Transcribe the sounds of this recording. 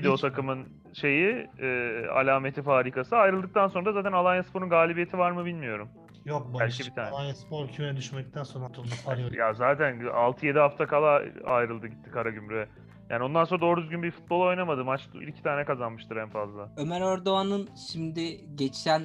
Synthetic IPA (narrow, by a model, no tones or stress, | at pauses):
id̪iot̪ʰakɯmɯn | ʃe̞jiɛːa̰lʲaːme̞t̪ʰifaːɾiːkasɯajɾɯlˠd̪ɯk̚t̪ʰanso̞nɾdazaːt̪ænalˠajnaspo̞ɾunɡaːlʲibije̞t̪ʰivaɾmɯbilʲmijo̞ɾum | jok̚bbbælʲcʰibit̪ʰaːnˠaspoɾcʰymɛnɛd̪yʃmɛd̪ic̚t̪ʰænsonɾat̪ʰond̪apʰaɾjazaːt̪ʰæna̰lˠt̪ʰɯje̞d̪iɦaft̪ʰakʰalˠaa̰jɾɯlˠd̪ɯɟit̪ʰːi̥kʰaɾaɟymɾyɛ | ja̰ːnio̞nd̪anso̞nad̪o̞ːɾyzɟynbiɾfu̥t̪̚bo̞lˠo̞jnamad̪ɯmat͡ʃḭlʲcʰi̥t̪ʰaːnɛkazanmɯʃt̪ʰɯɾænfazlˠaømæɾoɾd̪oanɯnʃimd̪ɪɟet͡ʃæn